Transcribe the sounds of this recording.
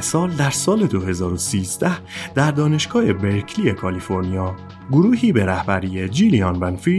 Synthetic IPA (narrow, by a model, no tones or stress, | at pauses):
sɒːld̪æɾsɒːle̞d̪oɦe̞zɒːɾo̞siːzd̪æhd̪̥æɾd̪ɒːne̞ʃɡ̥ɒːhe̞be̞ɾcʰlie̞kʰɒlifo̞ɾnijɒː | ɡoɾuːɦiːbe̞ɾæhbæɾiːjed͡ʒiliɒnbænfi